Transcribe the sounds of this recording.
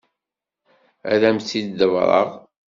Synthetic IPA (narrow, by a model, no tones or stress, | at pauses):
æ̰ɾæmθid̪d̪əvɾˤə̰ʁ